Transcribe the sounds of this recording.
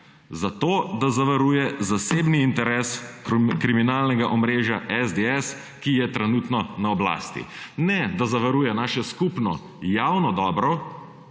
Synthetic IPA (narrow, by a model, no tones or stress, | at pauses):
zat̪oːd̪azaʋɐɾujɛzasebniːnt̪ɛɾɛːskɾiminaːlnɛɡaʔɔmɾeːʒjaʔɛzd̪eɛs | kijɛt̪ɾɛnuːt̪nɔnaɔbla̰ːst̪ḭnɛd̪azaʋɐɾuːjɛnaːʃɛskupnɔ̰ | jawnɔd̪ɔbɾɔ